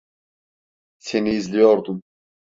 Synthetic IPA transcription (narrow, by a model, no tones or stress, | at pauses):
sʰeniːzlijɔɾd̪um